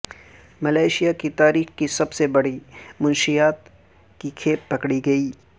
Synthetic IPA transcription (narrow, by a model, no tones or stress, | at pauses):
mɐlaːɪʃijakit̪aːɾiːxkisɐbsebɐɽimʊ̃nʃijaːt̪ | kikʰeːp̚ːɐkɽiɡɐiː